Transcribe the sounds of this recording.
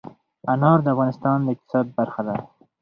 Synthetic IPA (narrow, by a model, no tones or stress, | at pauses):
anɑɾd̪əafɣɑnɪst̪ɑnd̪əɪq̚t̪ɪ̥sɑd̪̚baɾxad̪a